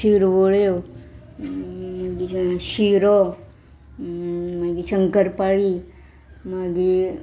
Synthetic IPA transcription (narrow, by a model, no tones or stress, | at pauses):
ʃiɾʋoɭe | ɡiʃiɾo | maɡiʃəŋkəɾpaɭi | maɡi